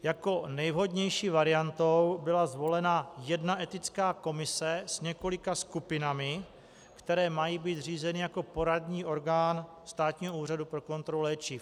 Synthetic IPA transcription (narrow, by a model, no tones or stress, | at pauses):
jako̞nɛjvɦo̞dɲɛjʃiːvaɾɪjant̪o̞wbɪlazvo̞lɛnajɛdnaʔɛt̪ɪt͡skaːko̞mɪsɛsɲɛko̞lɪkaskupɪnamɪ | kt̪ɛɾɛːmajiːbiːt̪riːzɛnɪjako̞po̞ɾadɲiːʔo̞ɾɡaːn | st̪aːt̪ɲiːɦouːr̝adupɾo̞ko̞nt̪ɾolulɛːt͡ʃɪ